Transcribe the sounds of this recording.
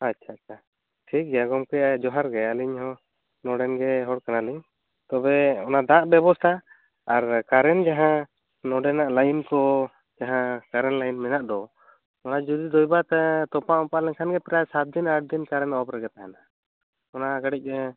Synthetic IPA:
atːt͡ʃʰaːa | ʈʰik̚ɡɛjaɡɔmkɔjaʔd͡ʒɔɦaɾɡɛaliɲhɔ̃ | nɔɖɛnɡɛɦɔɽkanaliɲ | t̪ɔbɛɔnad̪ãʔbɛbɔst̪ʰaː | ɾkaɾɛnd͡ʒaɦã | nɔɖɛnaʔlajnkɔ | d͡ʒaɦãkaɾɛnlajnmɛnaʔd̪ɔ | ɔnad͡ʒud̪id̪ɔjbat̪ɛt̪ɔpaʔɔ̃paʔlɛɲkʰanɡɛpɛɾasat̪̚d̪inaʈ̚d̪inkaɾɛnɔbɾɛɡɛt̪aɦana | ɔnaɡaɽic̚ˀ

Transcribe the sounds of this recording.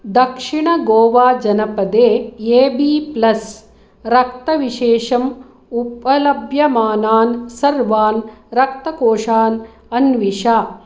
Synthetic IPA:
d̪ɐkʂiɳɐɡoːʋaːd͡ʒɐnɐpɐd̪eːeːbiːplɐs | ɾɐkt̪ɐʋiʃeːʂɐm | upɐlɐbʱjɐmaːnaːnsɐɾʋaːnɾɐk̚t̪ɐkoːʂaːn | ɐnʋiʂaː

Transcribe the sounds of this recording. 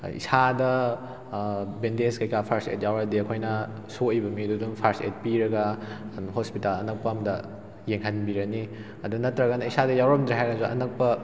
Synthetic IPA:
ḭsadɐ | bendeskɐjkʰapʰaɾsḛt̚jawɾɐdiɐkʰojnɐ | soɐjbɐmidudumpʰaɾsḛt̚piɾɐɡɐɦospitalɐnɐk̚pɐɐmdɐ | jeŋɦɐnbiɾɐni | ɐdunɐtːɾɐɡɐnɐisadɐjawɾɐmd̪ɾiɦajɡɐzuʔɐ̰nɐk̚pɐ

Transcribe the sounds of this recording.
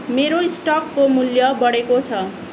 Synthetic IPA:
meɾoisʈʌkːomuljʌbʌɽekot͡sʰʌ

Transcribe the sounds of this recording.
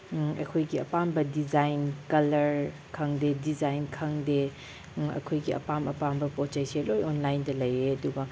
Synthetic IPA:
ɐ̰jkʰojɡiɐ̰pambɐdizajnkɐlɐɾ | kʰɐŋdedizajnkʰɐŋde | ɐ̰kʰojɡiɐ̰pamɐpambɐpot͡ʃɐjselojonlajndɐlɐjeɐduɡɐ

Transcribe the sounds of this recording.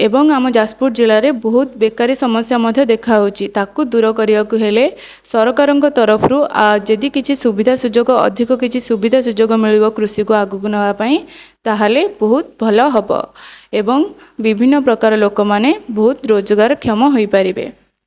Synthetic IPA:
ebɔŋamɔd͡ʒaspuʈd͡ʒeɭaɾebɔɦut̪bekaɾisɔmɔsjamɔd̪ʱjɔd̪ekʰaut͡ʃʰit̪akud̪uɾɔkɔɾibakuɦele | sɔɾɔkaɾɔŋkɔt̪ɔɾɔpʰɔɾuʔad͡ʒed̪ikit͡ʃʰisubid̪ʱasud͡ʒoɡɔɔ̰d̪ʱikɔkit͡ʃʰisubid̪ʱasud͡ʒoɡɔmiɭibɔkɾusikuaɡukunɔbapaĩt̪aɦalebɔɦut̪bʱɔlɔɦɔbɔ̰ebɔŋbibʱinːɔpɾɔkaɾɔlokɔmanebɔɦut̪ɾod͡ʒɔɡaɾɔkʰjɔmɔɦojpaɾibḛ

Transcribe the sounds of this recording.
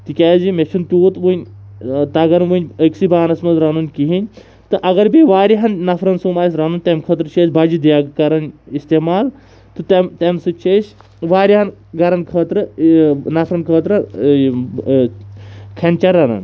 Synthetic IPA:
t̪ikʲaːzimet͡ʃʰunt̪ʲjoːt̪ʋunʲt̪aɡɐnʋunʲəksibaːnɐsmɐzɾanunʲkiɦinʲ | t̪ɨʔɐɡɐɾbiʋaːɾiɦɐnnɐfʰɾɐnsuːmaːs̬ʲɾanunʲt̪ʲemkʰəːt̪ɾɨt͡ʃʰeːsbad͡ʒid̪jaːɡkɐɾɐnist̪emaːl | t̪ɨt̪ɐmt̪ʲɐmsɨt͡ʃʰes | ʋaːɾiɦɐnɡɐɾɐnkʰəːt̪ɾɨnɐfʰɾɐnkʰəːt̪ɾɨ | kʰɐnʲt͡ʃɐɾːanɐ̰n

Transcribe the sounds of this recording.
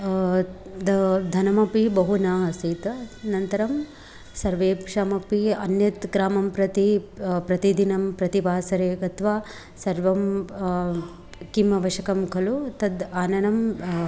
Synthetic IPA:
d̪ɐd̪ʱɐnɐmɐpibɐɦunaːɦɐsiːt̪ɐnɐnt̪ɐɾɐm | sɐɾʋeːpʂaːmɐpiɐ̰njɐt̪ɡɾaːmɐmpɾɐt̪ipɾɐt̪id̪inɐmpɾɐt̪ibaːsɐɾeːɡɐt̪ʋaː | sɐɾʋɐm | kimɐʋɐʃɐkɐmkʰɐlut̪ɐd̪aːnɐnɐm

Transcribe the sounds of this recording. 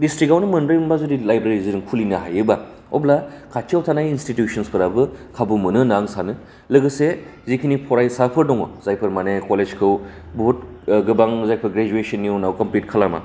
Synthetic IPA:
distɾik̚ɡawnmɯndɾiumbazudilajbɾeeɾiziɾɯŋkʰulinɯɦajɯba | ɔ̰blakʰat͡ʃʰiawtʰanajinstitjusɔnspʰɯɾabɯkʰabumɯnɯnaŋsanɯ | lɯɡɯse | zikʰinipʰɔɾajsapʰɯɾdɔŋɔ̰z̥ajpʰɯɾmanekoled͡ʒkʰɯw | bɦut̚ɡɯbaŋzajpʰɯɾɡɾed͡ʒuesɯnːiownawkɐmplit̚kʰalama̰

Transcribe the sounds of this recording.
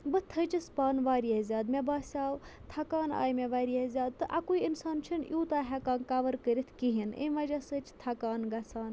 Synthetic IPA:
bɨt̪ʰət͡ʃispaːnʋaːɾiezʲaːd̪mebaːsʲaːwt̪ʰɐkaːna̰ːjmʲeʋaːɾiezʲaːd̪̚t̪ːɨʔa̰kuiinsaːnt͡ʃʰinjuːt̪aːɦʲɛkaːnkaʋəɾkəɾit̪ʰkiɦinʔə̰nʋɐd͡ʒɐsət͡ʃʰt̪ʰɐkaːnɡɐsʰaːn

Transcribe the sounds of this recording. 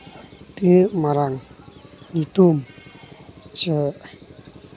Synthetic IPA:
t̪imaɾaŋ | nit̪um | t͡ʃəʔ

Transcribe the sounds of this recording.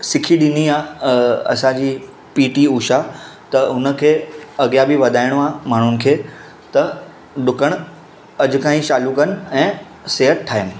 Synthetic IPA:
sɪkʰiɗɪniaːɐ̰sãd͡ʑiː | piːʈiuːʃat̪ɐʊnə̆kʰeːɐɡijabiʋɐd̪ʱaːɪɽ̃oãːmaːɳ̤ʊnɪ̆kʰeː | t̪ɐ | ɗʊkəɽ̃ | ɐd͡ʑʊ̆kãːĩʃaːlukɐnɪ̆ɛ̃ː | seːɦət̪̚ʈʰaːjənɪ̆

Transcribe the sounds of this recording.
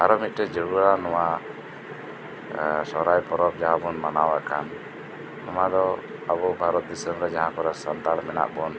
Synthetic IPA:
aɾɔmit̪̚ʈɛd͡ʒəɾuɾanɔwa | sɔɾajpɔɾɔp̚d͡ʒaɦãbɔnmanawakanː | ɔmad̪ɔ | abɔbʱaɾɔt̪̚d̪isəmɾɛd͡ʒaɦãkɔɾasant̪almɛna̰ʔbɔn

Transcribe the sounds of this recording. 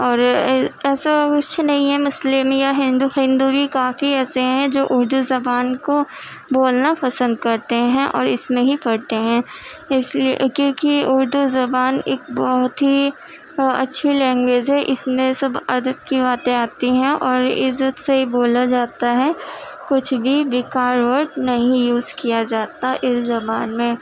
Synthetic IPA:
ɔːɾɛːsakʊt͡ʃʰnɐɦĩɦɛmʊslemjaɦɪ̃nd̪uhɪ̃nd̪ubʱikaːfiɛːseɦɛ̃d͡ʒoːʔʊɾd̪uzɐbaːnko | boːlnapɐsə̃nd̪kɐɾt̪eɦɛ̃ʔɔ̰ːɾɪsmẽɦipɐɽt̪eɦɛ̃ː | ɪskjõːkiʊɾd̪uzɐbaːneːk̚bɔɦʊt̪ɦi | ɐ̰tːʃʰilɛ̃ːŋɡweːd͡ʒɦɛʔɪsmẽsɐbɐd̪əb̚kibaːt̪ẽaːt̪iɦɛ̃ʔɔːɾɪ̰zːət̪seɦiboːlad͡ʒaːt̪aɦɛkʊt͡ʃʰbʱiʋɪkaːɾʋəɾʈnɐɦĩjuːzkijad͡ʒaːt̪aʔɪszɐbaːnmẽː

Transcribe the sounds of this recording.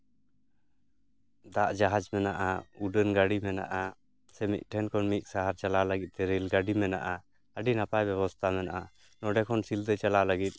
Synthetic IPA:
d̪aʔd͡ʒaɦad͡ʒmɛnaʔauɖənɡaɖimɛna̰ʔa | sɛmḭt̪̚ˀʈʰɛnkʰɔnmit̪̚ˀsaɦaɾt͡ʃalaləɡit̪̚ˀt̪ɛɾilɡaɖimɛna̰ʔa | əɖinapajbɛβɔst̪ʰamɛnaʔa | nɔɖɛkʰɔnsild̪ət͡ʃalaləɡit̪̚ˀ

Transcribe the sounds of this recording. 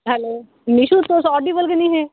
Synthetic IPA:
ɦɛloː | miʃut̪osɔːɖibəlkənĩɦɛː

